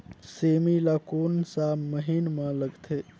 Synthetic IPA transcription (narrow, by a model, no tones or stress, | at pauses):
semilakoːnsaməɦinmãləɡt̪ʰe